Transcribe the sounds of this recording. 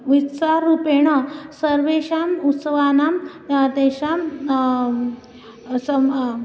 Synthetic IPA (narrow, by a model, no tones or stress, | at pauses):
ʋitsaɾːupeɳ̃ɔsəɾʋeɕamut̪səʋanam | at̪eɕam | sə